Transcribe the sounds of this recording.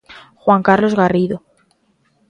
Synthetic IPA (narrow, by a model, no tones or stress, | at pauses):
xwaŋkaɾlo̞zɣariðo